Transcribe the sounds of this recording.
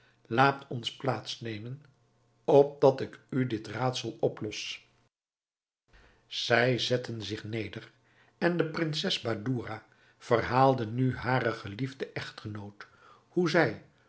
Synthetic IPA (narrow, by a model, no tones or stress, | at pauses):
laːtʰɔnsplaːtsnejmən | ɔp̚dɑtɪkydɪtraːtsɑlˠɔplɔs | z̥ɛjzɛtənzɪχnejdər | ɛndəprɪnsɛzbaduːraː | v̥ərɦaːlˠdənyɦaːɾəχəlivdəʔɛχtχənowt | huzɛj